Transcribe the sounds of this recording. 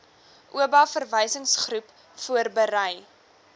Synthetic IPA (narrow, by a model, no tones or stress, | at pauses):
ʔuəbɑːfərvəjsəŋsχrup | fuərbəɾəj